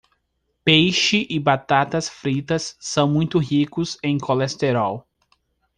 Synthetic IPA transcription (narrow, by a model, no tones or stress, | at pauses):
pejʃɪʔɪbat̪at̪ɐsfɾit̪ɐsːɐ̃w̃mũj̃t̪ʊɦikʊzẽj̃kʰolest̪eɾaw